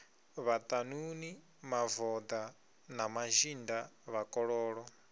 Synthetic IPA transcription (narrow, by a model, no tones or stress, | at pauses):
βat̪ʼanuni | mavɔd̪a | namaʒindaβakʼɔɺɔːɺɔ